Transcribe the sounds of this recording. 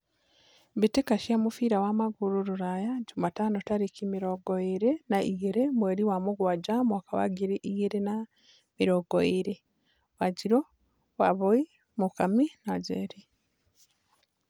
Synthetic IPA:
βitekaʃiamufiːɾawamaɡuɾuɾuɾajaɟumataːnotaɾikimiɾoɡoiɾenaijeɾemweɾiwamuɡwaːɟamwakaβa̰ɡiɾeʔijeɾena | miɾoɡo̰iɾe | waɟiɾo | waβoi | mukaminaɟḛːɾi

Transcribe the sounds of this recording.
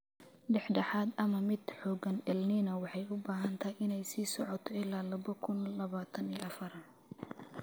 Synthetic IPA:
ɖɛħɖɐħaːd̪ɐmɐmɪd̪̥ħɔːɡɐnɛlniːnɐwɑħɑjʊbaːɦɐnt̪ʰɐɪnɛjsiːsɔʕɔt̪ʰɔɪlaːlɐβɐkʰʊnlɐβaːt̪ʰɐniːʔɐfɐrɐ

